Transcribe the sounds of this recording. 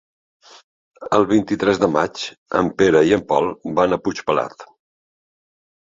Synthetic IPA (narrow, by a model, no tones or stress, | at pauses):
əlˠβ̞int̪it̪ɾɛzðəmat͡ʃ | ə̰mpeɾəiəmpɔlˠbanəput͡ʃpəla̰t̪